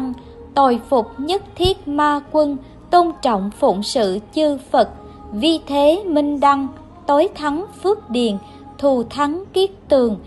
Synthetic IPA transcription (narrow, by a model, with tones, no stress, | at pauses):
ŋ | t̪o˨˩jfʊ˨˩k͡p̚ɲə˦˥t̚t̪ʰi˦˥ət̚maː˧kwə˧n | t̪o˧nt͡ɕɔ̰˧˨wŋ͡mfṵ˧˩˨ŋ͡msɨ̰˧˨t͡ɕɨ˧fə˨˩t̚ | vi˧t̪ʰe˨˦mï˧ŋ̟ɗa˧ŋ | t̪o˨˦jt̪ʰa˨˦nfɨ˦˥ək̚ɗḭ˧˨ən | t̪ʰu˨˩t̪ʰa˨˦nk̪i˦˥ət̚t̪ɨ˨˩əŋ